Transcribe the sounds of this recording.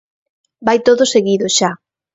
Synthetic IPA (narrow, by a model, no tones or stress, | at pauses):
bajt̪oðʊseɣiðoʃa